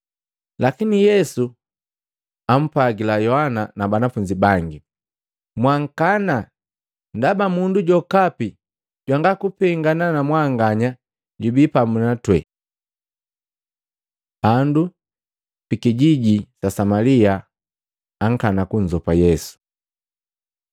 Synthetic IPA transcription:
lakinijɛsu | am̩paɡilajɔhananabanafuɲd͡ʒibaŋɡi | mwaŋ̩kana | ndabamunduɟɔkapi | ɟwaŋɡakupɛŋɡananamwaŋɡaɲa | ɟubipamunatwɛ | b̥andu | pikiɟiɟisasamaliaː | ŋ̩kanakuɲd͡ʒɔpajɛsu̥

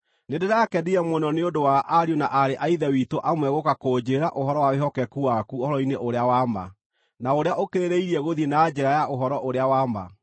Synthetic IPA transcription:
nedeɾakɛdiɛmwonɔneodowaʔaɾionaʔaɾeʔaiðɛwitoʔamwɛɣokakod͡ʑeɾaʔoɦɔɾɔwaweɦɔkɛkuwakuoɔɾɔineʔoɾeawama̰ | naoɾeaʔokeɾeɾeiɾiɛɣoðenaːd͡ʑɛɾajaʔoɦɔɾɔʔoɾeawama̰

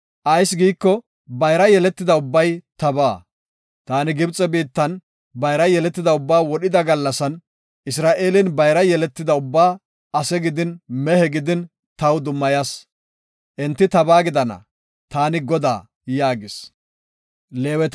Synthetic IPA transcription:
ʔɐjsɡiːkːɔ | bɐjɾɐjɛlɛt̪ːɪd̪ɐʊbːɐjt̪ɐbaː | t̪aːnɪɡɪbt͡sʼɛbiːt̪ːɐn | bɐjɾɐjɛlɛt̪ːɪd̪ɐʊbːaːwɔɗɪd̪ɐɡɐlːɐsɐn | ʔɪs̬ɾaːʔe̞ːlɪnbɐjɾɐjɛlɛt̪ːɪd̪ɐʊbːaː | ɐsɛɡɪd̪ɪnmɛhɛɡɪd̪ɪn | t̪ɐwd̪ʊmːɐjas | ʔɛnt̪ːɪt̪ɐbaːɡɪd̪ɐnɐ̰ | t̪aːnɪɡɔd̪a̰ː | jaːɡɪs | leːwɛt̪

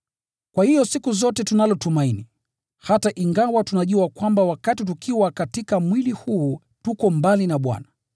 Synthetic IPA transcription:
kwahijɔsikuzɔtɛtunalɔtumaini | hataʔiŋɡawatunaʄuakwambawakatit̬ukʰiwakatikamwilihuː | tukɔmbalinaɓwa̰na

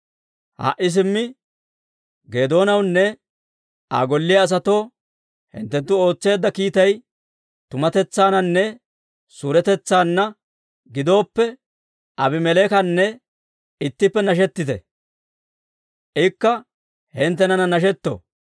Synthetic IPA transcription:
ha̰ʔɪs̬ɪmːɪ | ɡeːd̪o̞ːnɐwnːɛ | a̰ːɡɔlːɪjɐːs̬ɐt̪o̞ː | hɪ̰nt̪ːɛnt̪ːʊo̞ːt͡sːe̞ːd̪ːɐkiːt̪ɐj | t̪ʊmɐt̪ɛt͡sːaːnɐnːɛ | suɾɛt̪ɛt͡sːaːnːɐ | ɡɪd̪o̞ːpːɛ | ʔɐbɪmɛleːkɐnːɛ | ɪt̪ːɪpːɛnɐʃ̬ɛt̪ːɪt̪ɛ̰ | ʔɪkːɐ | hɛnt̪ːɛnɐnɐnɐʃ̬ɛt̪ːo̰

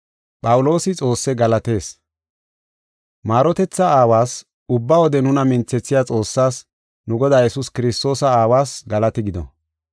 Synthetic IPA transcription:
pʼɐwʊlo̞ːsɪt͡sʼo̞ːsːɛɡɐlɐt̪e̞ːs | maːɾɔt̪ɛt͡sːɐaːwaːs | ʊbːawɔd̪ɛnʊnɐmɪnt͡sːɛt͡sːɪjat͡sʼo̞ːsːaːs | nʊɡɔd̪aːjɛsuskɪɾɪst̪o̞ːsɐaːwaːsɡɐlɐt̪ɪɡɪd̪ɔ̰

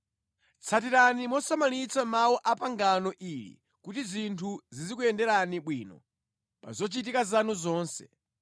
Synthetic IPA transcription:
t͡sʰat̬iɾanimɔsamalit͡sʰamawɔʔapaŋɡanɔʔilḭ | kutizintʰuzizikuɛndɛɾaniɓwiːnɔ̰ | pa̰zɔt͡ʃitikazanuzɔːnsɛ

